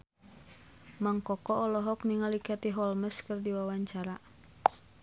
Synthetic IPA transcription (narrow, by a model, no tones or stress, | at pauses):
maŋkɔkɔːlɔɦɔkniŋalikat̪iɦɔlməskərdiwawaɲt͡ʃaɾa